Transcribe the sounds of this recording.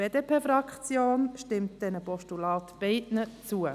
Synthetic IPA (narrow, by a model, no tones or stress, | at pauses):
eːdeːpʰeːfɾɑkχt͡sjoːnʃtɪmt̚d̥ɛnəpɔʃtulɑːtb̥ɛɪtnət͡suə